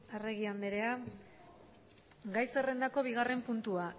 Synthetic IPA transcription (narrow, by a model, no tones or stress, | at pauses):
ereɣ̞iand̪eɾea | ɡajse̞re̞nd̪ako̞β̞iɣ̞are̞mpunt̪ua